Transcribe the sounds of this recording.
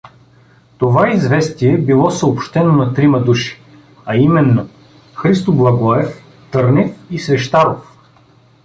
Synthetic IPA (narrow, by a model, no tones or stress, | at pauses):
t̪ovaizvɛst̪iɛbilˠɔsəopʃt̪ɛnonɐt̪ɾimɐd̪uʃi̥ | ɐimɛnːo | xɾist̪oblˠɐɡɔɛf | t̪ɤɾnɛfisvɛʃt̪aɾof